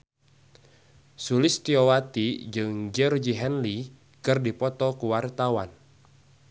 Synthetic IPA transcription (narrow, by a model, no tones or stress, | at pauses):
sulɪst̪iɔwat̪id͡ʒɨŋd͡ʒɛrd͡ʒiɦɛnli | kɨrdipɔt̪ɔkuwart̪awan